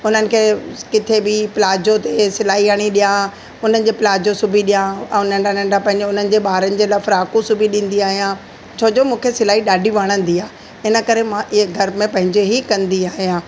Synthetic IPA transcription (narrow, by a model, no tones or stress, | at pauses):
ʊn̤ənɪ̆kʰeːkɪt̪ʰebɪpɪlaːd͡ʑot̪esɪlaːɦiaɽ̃iɗijã | ʊn̤ənɪ̆d͡ʑeːpɪlaːd͡ʑosʊbʱiɗijãɛ̃ʊnənɖãnə̃ɳɖapɐ̃ɦɪ̃ɲd͡ʑeʊn̤ənɪ̆d͡ʑeːɓaːɾənɪ̆d͡ʑeːlɐfʰɾaːkusʊbʱiɗĩːn̆d̪iaːɦijã | t͡ɕʰoːd͡ʑoːmũːkʰesɪlaːiɗaːɖʱiʋaɽ̃ə̃n̆d̪iaː | ɪnə̆kɐɾemãʔɪɦeɡʱɐɾmẽpɐ̃ɦɪ̃ɲd͡ʑeɦikɐ̃nd̪iaːɦijãː